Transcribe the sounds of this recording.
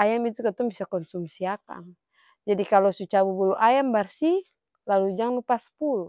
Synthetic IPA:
ajamit̪ukɛt̪ɔŋbisakɔnsumsiaka̰n | d͡ʒadikalɔsut͡ʃabubuluʔajambarsi | lalud͡ʒaŋlupaspulu

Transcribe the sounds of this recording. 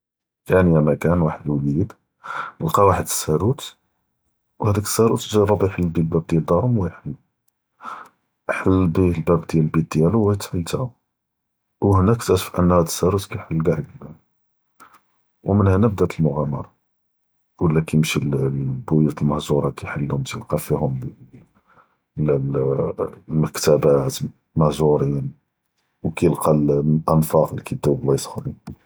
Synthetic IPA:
jænjæmækænwaħəd̪wlid̪ | lqɑwaħəd̪ə̥sːæɾut̪ | whæd̪ækə̥sːæɾut̪ʒɑrˤːɑbijħəlːbilbæb̚d̪jæld̪ɑɾˤmwæjħəlː | ħəlːbilbæbd̪jælbit̪̚d̪jæluwæt̪ʕəlt̪æu | whnækt̪ætfʔə̰nːhæd̪əsːæɾut̪kæjħəlːɡaʕɡd̪æn | wmənhænæb̚d̪æt̪əlmʊɣæmɑ̰ɾˤɑ | wəlːækijəmʃilbujut̪əlməhzuɾˤɑkajħəlːhʊmt̪jəlqɑfihʊm | læl | məkt̪æbæt̪ | məhzuɾin | wkæjəlqɑlʔənfɑqlikid̪ːæwblɑjsˤxɾin

